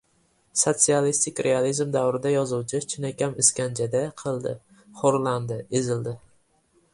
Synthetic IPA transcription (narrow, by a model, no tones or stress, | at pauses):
sot̪sialist̪ʰɪkʲɾʔealizmd̪awɾɪd̪ajɒzuwt͡ʃʰɪt͡ʃʰɪnakʲamɪskʲand͡ʒad̪aqʰɨlˠd̪ɪ̰ | χoɾland̪ɪezɪld̪ɪ